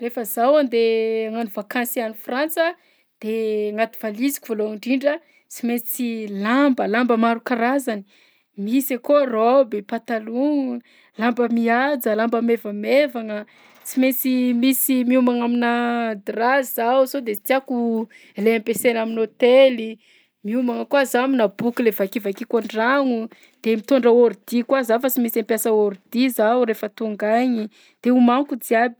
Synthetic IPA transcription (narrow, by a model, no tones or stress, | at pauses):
refəzawand̪eaŋanuvakansianifrant͡sə | d̪̥eŋat̪u̥v̥alizi̥kʲu̥voloaɳɖ͡ʐiɳɖ͡ʐə | t͡simet͡silambəlambəmaɾukaɾazani̥ | misakorowbepat̪aluŋ | lambəmiad͡zəlambəmevəmevaŋə | t͡simet͡simisimiumaŋaminad̪razawsod̪et͡s̪iaku | eleampesenaminot̪eli | miumaŋəkwazaminabukilevakivakikoɳɖ͡ʐaŋu | d̪̥emit̪oɳɖ͡ʐəoɾud̪̥ikwazafat͡simisampjasəoɾud̪̥izauɾefət̪uŋɡaɲi | d̪̥eumaŋkud͡ziabi̥